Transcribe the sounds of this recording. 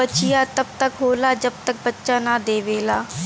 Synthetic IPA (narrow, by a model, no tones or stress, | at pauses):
ət͡ʃɪjaːt̪əb̚t̪əkɦoːlaːd͡ʒəb̚t̪ək̚bətːʃaːnaːd̪eːʋeːlaː